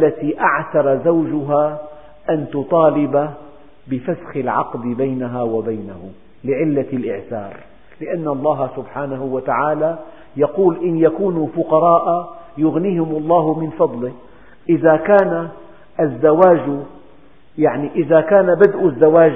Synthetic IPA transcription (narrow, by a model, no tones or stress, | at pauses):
lːat̪iʔaʕθɑɾˤɑzawd͡ʒʊɦa | ʔant̪ʊt̪ˤɑːlɪba | bɪfasxɪlʕɑ̰qd̪bajnaɦawabajnahʊ | lɪʕɪlːalʔɪʕθɑ̰ːɾˤ | lɪʔanːʔɑlˤːɑːɦsʊbħaːnahʊwat̪aʕaːla | jɑquːlʔɪnjakuːnufʊqɑɾˤɑːʔajʊɣniːhɪmʔɑlˤːɑːɦʊmɪnfɑd̪ˤlɪ | ʔɪðakaːna | azːawaːd͡ʒ | jaʕniʔɪðakaːnabad̪ʔʊzːawaːd͡ʒ